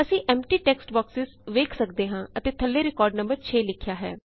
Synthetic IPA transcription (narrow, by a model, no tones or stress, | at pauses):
əsĩːʔɛːmʈiːʈɛːksʈbɔːksɪzʋeːkʰsəkd̪eːɦãːət̪eːt̪ʰəlːeːɾɪkɔːɾɖnə̃mbəɾt͡ʃʰeːlɪkʰjaːɦɛ̰ː